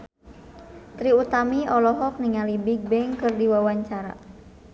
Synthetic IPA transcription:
t̪ɾiut̪amiɔlɔɦɔk̚niŋalibiɡ̚bɛŋkɨrdiwawaɲt͡ʃaɾa̰

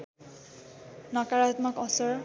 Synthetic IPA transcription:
nɔkaɹat̪mɔkɔsɔɹ

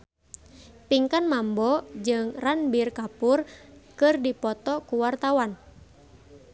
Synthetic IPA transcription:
piŋkanmambɔd͡ʒɨŋranbirkapʊrkɨrdipɔt̪ɔkuwart̪awan

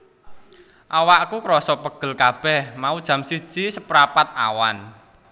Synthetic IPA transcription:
ʔawaʔkukɾɔsɔpəɡ̥ə̤lkab̥ɛhmaud̥ʒ̥a̤msi̥ʒ̥i̤səpɾapat̪̚a̰wa̰n

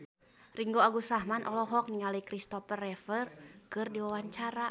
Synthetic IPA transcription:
riŋɡoaɡusɾahmanʔɔlɔɦɔk̚niŋalikɾist̪ɔpərɛfərkɨrdiwawaɲt͡ʃaɾa

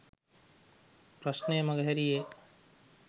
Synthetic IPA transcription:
pɾasnəjəmaɡəɦæɾije

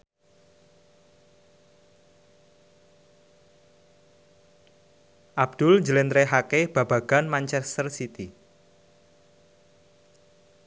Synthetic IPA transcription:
ʔab̚d̪̥ʊlɲd͡ʒəlɛnd̪ɾeɦakeb̥ä̤baɡ̥a̤nmaɲt͡ʃɛst̪ərsit̪i

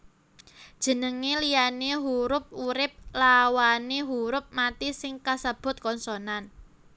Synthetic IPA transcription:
d̥ʒ̥ə̤nəŋelijaneɦuɾʊp̚uɾɪp̚lawaneɦuɾʊp̚mat̪isɪŋkasəb̥ʊ̤t̪̚kɔnsɔnan

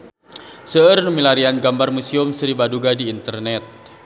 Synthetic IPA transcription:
səərnəmilaɾianɡambarmusiʊmsəɾibaduɡadiːnt̪ərnɛt̪̚

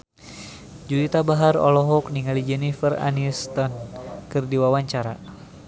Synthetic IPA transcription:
d͡ʒuɾit̪abaɦaɾɔ̰lɔɦɔk̚niŋalid͡ʒɛnifəra̰nist̪ɔnkɨrdiwawaɲt͡ʃaɾa̰

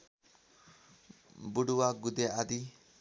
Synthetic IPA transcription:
buɽuwaɡud̪ead̪i

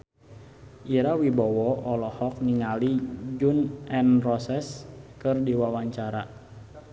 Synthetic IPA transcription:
ʔiɾawibɔwɔɔlɔhɔk̚niŋalid͡ʒunɛnrɔsɛskɨrdiwawaɲt͡ʃaɾa

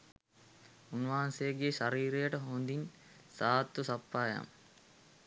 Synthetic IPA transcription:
unʋaɦansejəɡeːʃaɾiːɾejəʈəɦond̪in | saːt̪ːusapːaːja̰m

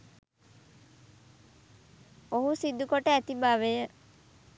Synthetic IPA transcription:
oɦusid̪ukoʈəæt̪ibaːʋejə

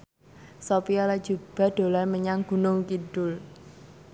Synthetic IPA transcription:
sopiɔlad̥ʒ̥ub̥a̤d̪̥o̤larməɲaŋɡ̥ṳnʊŋkiɖ̥ʊl

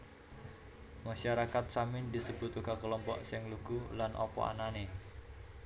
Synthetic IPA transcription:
maʃaɾakat̪̚samɪnd̪isəb̥ʊt̪uɡakəlɔmpɔ̰ʔsɛŋluɡ̥ulanʔɔ̰pɔ̰a̰nane

